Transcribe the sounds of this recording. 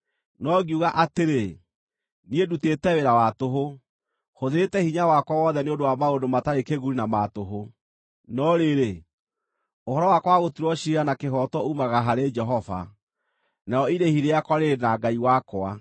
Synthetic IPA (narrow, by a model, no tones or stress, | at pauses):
nɔɡiuɣaʔateɾe | niedutetɛweɾawatoɦo | hoðeetɛhiɲawakwawɔðɛneondowamaondomataɾekeɣuɾinamatoɦo | nɔɾeɾe | ohɔɾɔwakwaɣotiɾwɔʃiɾanakeɦɔtwɔumaɣaɦaɾed͡ʒɛɦɔva̰ | naɔiɾehiɾeakwaɾenaɡaiwakwa